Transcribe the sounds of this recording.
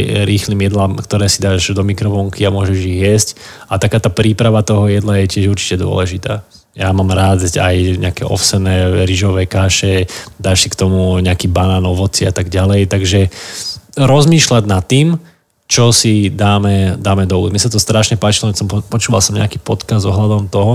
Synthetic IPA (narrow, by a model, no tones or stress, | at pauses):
ɾiːxliːmjɛd̪lamkt̪ɔɾɛːsid̪aːʒd̪ɔmikɾɔfɔŋkiamʊɔʒɛʒiɣjɛscat̪akaːt̪aːpɾiːpɾaʋat̪ɔɦɔjɛd̪lajɛcɪɛʒuɾt͡ʃi̥cɛd̪ʊɔ̰lɛʒit̪a̰ː | jamaːmɾaːd̪a̰jɲɛ̰akɛ̰ʔɔ̰fsɛnɛːɾiʒɔʋɛːkaːʃɛd̪aːʃsikt̪ɔmuɲɛakiːbanaːnɔʋɔt͡siat̪aɡɟalɛjt̪aɡʒɛ | ɾɔzmiːʃlaɟnat̪ːiːm | t͡ʃɔsid̪aːmɛd̪aːmɛd̪ɔṵmɪɲɛsat̪ɔst̪ɾaʃɲɛpaːt͡ʃilɔsɔmpɔt͡ʃuːʋa̰lsɔmɲɛ̰akiːpɔt̪kazd̪zɔɦlad̪ɔmt̪ɔɦɔ